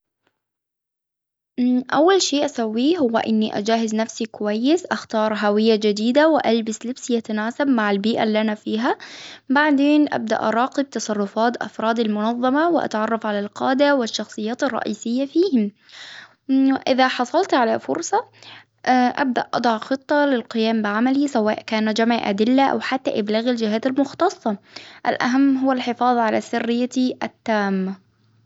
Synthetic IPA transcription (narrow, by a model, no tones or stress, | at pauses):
ʔawːalʃeːʔasawːiːɦʊwːa̰ʔɪnːiʔa̰d͡ʒaːɦɪznafsikʊwajːɪsʔaxt̪ɑːɾˤɦawɪjːad͡ʒɪd̪iːd̪awɪʔalbaslɪbsiʔat̪anaːsabmaʕalbiːʔa̰lːanafiːɦabaʕd̪eːnʔa̰b̚d̪a̰ʔɑɾˤɑːqɪb̚t̪ɑsˤɑrˤːʊfɑːt̪ʔɑ̰fɾˤɑːd̪almʊnɑðˤːɑmɑwɪʔa̰t̪ʕɑrˤːɑfʕalalqɑːd̪awɪʃːɑxsˤɨjːaːt̪ɑrˤːɑ̰ʔiːsɪjːafiːhɪm | ɪʔɪðaħɑsˤɑlt̪ʕalafʊ̰ɾsˤɑ | ʔʔa̰bd̪a̰ʔʔɑ̰d̪ˤɑʕxɨt̪ˤːɑlɪlqɪjaːmbɪʕamalisawaːʔkaːnd͡ʒamʕʔa̰d̪ɪlːaʔa̰wħat̪ːa̰ʔɪblaːɣald͡ʒɪɦaːt̪almʊxt̪ɑsˤːɑʔa̰lʔa̰ɦamːɦʊwːalħɪfɑːðˤʕalasɪrːɪjːaʔat̪ːaːmː